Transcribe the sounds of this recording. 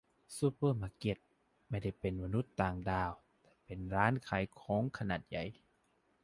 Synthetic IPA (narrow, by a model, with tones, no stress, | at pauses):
suː˧pɤː˥˩˨maː˧˩ke˧˩t̪̚ | ma˥˩jda˥˩jpe˨nma˧nu˦˥˦t̪ːaː˨ŋdaː˧˩w | t̪ɛː˧˩pe˨˩nɾaː˦˥˨nkʰa˨˦jkʰɔː˨˦ŋkʰa˧na˨˩t̪̚ja˨˩j